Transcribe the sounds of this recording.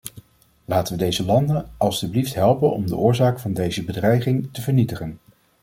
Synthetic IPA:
laːtəʋədejzəlɑndənɑlˠstybliftɦɛlˠpənɔ̰mdəʔʊːɹzaːkfɑndejzəbədrɛjχɪŋtəvəɹnitəχən

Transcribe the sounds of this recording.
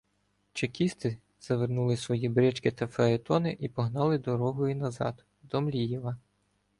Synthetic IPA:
t͡ʃekʲist̪ɪ | z̥ɐʋernulˠɪsʋɔjibɾʲɛt͡ʃkɪt̪ɐfeet̪ɔnɪʔipɔɦnɑlˠɪd̪ɔɾɔɦɔjinɐzɑ̰d̪ | d̪ɔmlʲijɛʋɐ

